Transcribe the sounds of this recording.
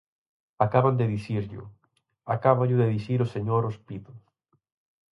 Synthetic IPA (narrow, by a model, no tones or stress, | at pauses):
akaβand̪eðiθiɾʎʊ̰ | akaβaʎʊðeðiθiɾʊseɲoɾospiðʊ